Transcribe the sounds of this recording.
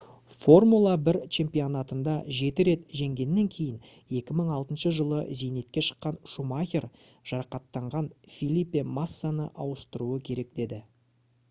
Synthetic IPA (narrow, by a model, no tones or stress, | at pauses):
fo̞rmulˠabɪɾt͡ʃʰe̞mpijonat̪ənd̪ɑʒe̞t̪ɪɾe̞t̪ʒe̞ŋɡʲe̞nːe̞ŋkʲʰe̞jɪn | e̞kʲɪməɴɑlˠt̪ənʃəʒəlˠəzejne̞t̪̚kʲe̞ʃə̥qːɑnʃumaxʲeɾʒ̥ɑɾɑqɑt̪ːɑɴʁɑnfʲilʲipːemasːanəʔɑwəst̪əɾuəkʲʰe̞ɾe̞k̚d̪e̞d̪ɪ